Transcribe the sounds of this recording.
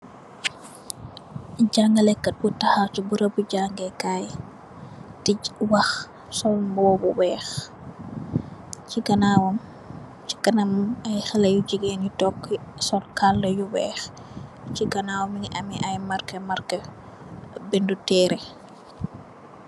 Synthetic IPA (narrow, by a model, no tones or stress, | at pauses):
ɟaŋɡɐlɛkːɐt̚butahatubuɾɐbuɟaŋɡɛkaːj | tiwax | sɔmbɔːbuwɛːx | ciɡɐnawɔm | t͡ʃi̥kɐnamajxɛlɐjud͡ʒiɡenitɔkːisɔnkaldɐjuwɛːx | t͡ʃiɡɐnawɔminiʔamiʔajmaɾkɐmaɾkə | bindutɛːɾɛ